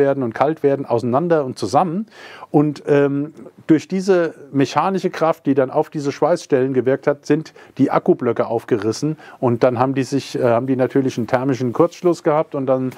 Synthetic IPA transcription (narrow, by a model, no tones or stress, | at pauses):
eːɐdn̩ʊntkʰaltv̥eːɐdn̩ʔa̰ʊsanandɐʊnt̚t͡suzamənʔʊntʔɛːmd̥ʊɐçd̥iːzəmeçaːnɪʃəkʁ̥aft̚d̥iːdana̰ʊfd̥iːzəʃv̥aɪsʃtɛlənɡəvɪɐk̚thatz̥ɪntd̥iːʔa̰kublœkəʔaʊfɡ̥əʁɪsn̩ʔʊnt̚d̥anɦaːbm̩diːzɪçhaːbm̩diːnatʰyːɐlɪçntʰɛɐmɪʃ̬n̩kʰʊɐt͡sʃlʊsɡ̥əhaːp̚tʊnt̚d̥an